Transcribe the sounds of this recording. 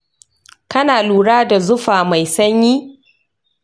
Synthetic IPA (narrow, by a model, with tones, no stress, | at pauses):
kɐ˦naː˨luː˨ɽaː˦da˨zʊ˦ɸaː˨ma˨jsɐ˦ɲjiː˦